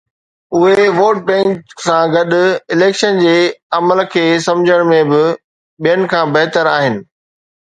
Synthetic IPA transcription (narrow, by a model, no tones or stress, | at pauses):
ʊɦeʋoːʈ̚bɛ̃ːŋksãːɡɐɗʊ̆ɪleːkʃənd͡ʑeːɐməlkʰeːsɐ̃md͡ʑʱəɽ̃mẽbɪ | ɓijənɪ̆kʰãːbɐɦt̪əɾaːɦɪnɪ̆